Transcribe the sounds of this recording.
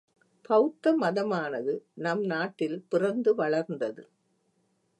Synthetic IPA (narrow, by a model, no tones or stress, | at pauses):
pɐʊt̪ːɐmɐðɐmaːnɐðɯnɐmnaːʈːɪlpɪrɐnd̪ɯʋɐɭɐɾnd̪ɐðɯ